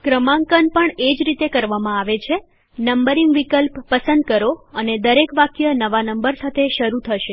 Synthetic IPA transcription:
kɾəmãŋkənpəɳed͡ʒɾit̪ekəɾʋamãaʋet͡ʃʰe | nəmbəɾiŋɡʋikəlpːəsə̃nd̪̚kəɾoəned̪əɾekʋakjənəʋanəmbəɾsat̪ʰeʃəɾut̪ʰəʃe

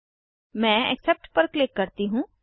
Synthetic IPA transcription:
mɛ̃ːɛ̰ksɛp̚ʈpəɾklɪkːəɾt̪iːɦũː

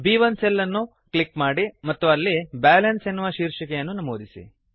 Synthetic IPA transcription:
biːʋɐnsɛlːɐnːu | klikmaːɽimɐt̪ːuɐlːibaːlɐnsenːuʋɐʃiːɾʂɐkɛjɐnːunɐmoːd̪isḭ

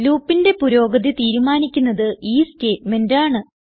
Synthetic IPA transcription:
luːpːinde̞puɾo̞ːɡɐðit̪iːɾumaːnikʲːunːɐðɨʔiːste̞ːtme̞ndaːɳɨ

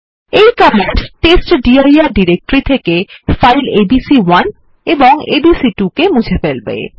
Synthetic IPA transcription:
ejkɔmeɳʈʈesʈɖiajaɾɖiɾek̚ʈɾit̪ʰekefajlebisiwan | eboŋḛbisiʈukemud͡ʑʱefelbḛ

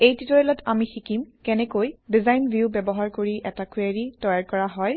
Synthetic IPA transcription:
ejtitɔɹɛlɔtʰamixikimkɛnɛkojdizajnbʱjubɛbɔɦaɹkoɹiʔɛtakaɹitɔjaɹkɔɹaɦɔj

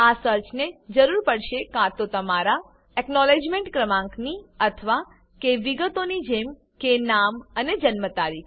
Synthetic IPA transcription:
asəɾt͡ʃned͡ʒəɾuɾpəɽʃekãt̪ot̪əmaɾa | ɛknɔled͡ʒmeɳʈkɾəmãŋkniət̪ʰəʋa | keʋiɡət̪onid͡ʒem | kenaməned͡ʒənmət̪aɾikʰ

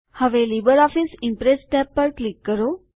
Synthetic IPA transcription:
həʋelibəɾɔfisɪmpɾesʈɛpːəɾklikːəɾo

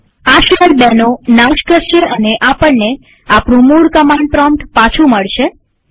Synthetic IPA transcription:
aʃəɾbɛnonawʃkəɾʃeʔəneʔapəɳːe | apɳũmuɽkəmaɳɖ̚pɾɔmʈpat͡ʃʰũməɭʃe

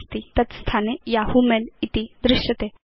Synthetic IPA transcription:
st̪it̪ət͡s̪st̪ʰanejahumelit̪id̪ɾɪɕət̪e

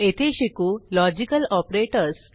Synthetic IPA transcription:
et̪ʰeɕekulɔd͡ʑikəlɔpɾeʈəɾs

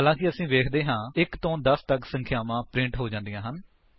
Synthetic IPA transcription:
ɦaːlãːkɪəsĩːʋeːkʰd̪eːɦãːɪkt̪õːd̪əst̪əksə̃ŋkʰjaːmãːpɾɪ̃ɳʈɦoːd͡ʒãːnd̪ijãːɦən

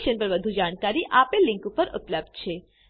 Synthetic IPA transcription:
ʃənpəɾʋəd̪ʱud͡ʒaɽ̃kaɾiʔapelɪ̃ŋkupəɾʔʊ̰pləb̚d̪̚t͡ʃʰe

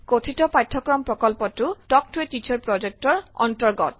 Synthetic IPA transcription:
kotʰitɔpatʰːɔkɹɔmpɹɔkɔlpɔtutɔk̚twetːit͡ʃʰɔɹpɹɔd͡ʒek̚tɔɹɔ̰ntɔɹɡɔt

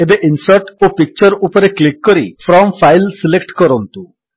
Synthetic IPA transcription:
ebeʔinsɔɾʈopik̚t͡ʃɔɾupɔɾeklikːɔɾifʰɾɔmfʰajlsilekʈkɔɾɔnt̪u

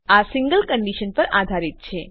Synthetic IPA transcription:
asĩŋɡəlkəɳɖiʃənpəɾad̪ʱaɾit̪̚t͡ʃʰe

